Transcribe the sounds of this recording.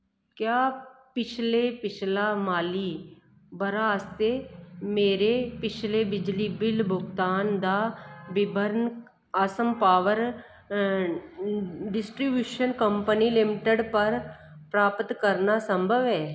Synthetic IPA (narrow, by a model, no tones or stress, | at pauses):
kjaːpɪt͡ʃʰlepɪt͡ʃʰlamaːli | bɐɾast̪emeːɾepɪt͡ʃʰlebɪd͡ʒlibɪlbʱʊɡt̪aːnd̪abɪbʱəɾn | asəmpaːʋəɾ | ɖɪsʈɾibjuːʃənkə̃mpənilɪmɪʈəɖpɐɾpɾaːpət̪kəɾnasə̃mbʱəʋɦɛː